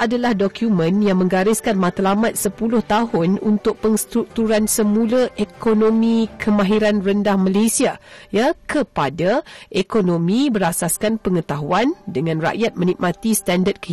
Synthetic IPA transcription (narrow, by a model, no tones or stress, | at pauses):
ʔadalahdokjumə̃njaŋmə̃ŋɡaɾɪskanmãt̪alamãt̪̚səpulʊht̪aɦʊnunt̪ʊk̚pəŋst̪ɾuk̚t̪uɾansəmũləʔekonõmĩkʰəmãɦiɾanrəndahmalesiajakʰəpadaʔekonõmĩbəɾasaskanpəŋət̪aɦuandəŋãnra̰ʔjat̪̚mə̃nik̚mat̪ist̪andəd̚kə